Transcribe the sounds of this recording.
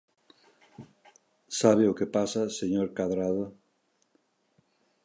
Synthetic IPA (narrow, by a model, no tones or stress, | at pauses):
saβɪʊkepasaseɲoɾkaðɾaðo